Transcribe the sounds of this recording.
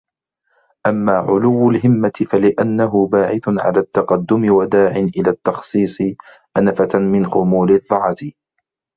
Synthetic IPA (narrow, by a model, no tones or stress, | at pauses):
ʔamːaːʕʊlʊwːʊlɦɪmːat̪ɪfalɪʔanːaɦʊbaːʕɪθʕa̰laːt̪ːɑqɑd̪ːʊmɪwad̪aːʕɪnʔɪlaːt̪ːɑxsˤiːsˤɨ | ʔanfatmɪnxʊmuːlɪðˤːɑʕɑt̪ɪ